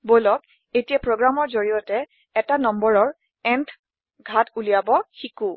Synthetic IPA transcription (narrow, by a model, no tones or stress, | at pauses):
bojlɔk | etijapɹoɡɹamɔɹzoɹijɔtɛː | tanɔmbɔɹɔɹ | ɛntʰ | ɡʱatulijabɔxiku